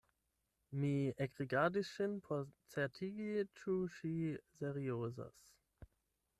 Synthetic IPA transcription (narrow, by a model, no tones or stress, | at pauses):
miɛɡʁiɡadiʃɪnpʰɔt͡sɛɐtʰiɡit͡ʃʰuʃizɛʁioːza̰s